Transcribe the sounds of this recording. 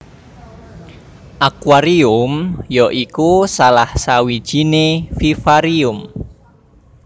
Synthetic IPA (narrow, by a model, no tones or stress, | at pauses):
ʔakwaɾiʊmjɔʔikusalahsawi̥ʒ̥inefifaɾiʊm